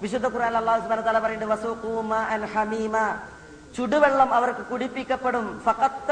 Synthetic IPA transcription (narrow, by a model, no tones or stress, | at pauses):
ʋiʂ̬ud̪ʱːɐkuɾaːnilɐlːaːɦusubʱaːnɐt̪ːaːlaːpɐjuɳɖɨʋɐsuːqumaːʔɐnħɐmiːma | t͡ɕuɽuʋeɭːɐmɐʋɐrkɨkuɽipːikʲːɐpːɐɽumfɐqɐt̪